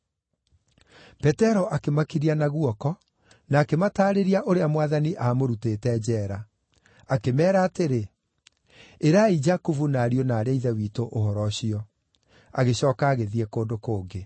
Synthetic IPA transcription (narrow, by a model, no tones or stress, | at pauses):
pɛtɛɾɔʔakemakiɾianaɣuɔkɔ | naːkemataːɾeɾiaʔoɾeamwaðaniʔamoɾuteːtɛd͡ʑɛːɾa | akemɛːɾaːteɾe | eɾaid͡ʒakuvunaːɾiɔnaːɾaiðɛwiːtoʔohɔɾɔɕiɔ | a̰ɣeɕɔːkaːɣeðiɛkoːndokoːŋɡe